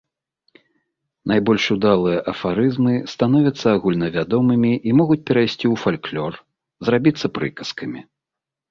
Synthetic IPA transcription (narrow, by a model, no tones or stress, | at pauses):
najbɔlʲʂud̪alˠɨjɐʔɐfaɾɨzmɨst̪anɔvʲɐt̪sːɐaɣulʲnɐvʲad̪ɔmɨmʲiʔimɔɣut͡sʲpʲɛɾajsʲt͡sʲiwfalʲklʲɔr | zrabʲit̪sːɐpɾɨ̰kɐskɐmʲi